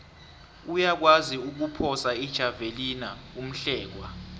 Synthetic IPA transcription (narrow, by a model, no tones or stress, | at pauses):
ujak̬waziuk̬upʰɔsaid̥ʒ̥ʱavelinaum̩ɬɛːk̬wa